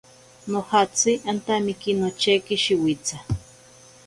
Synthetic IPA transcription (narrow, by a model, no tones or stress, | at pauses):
nohat͡siant̪amikinot͡ʃekiʃiwit͡sa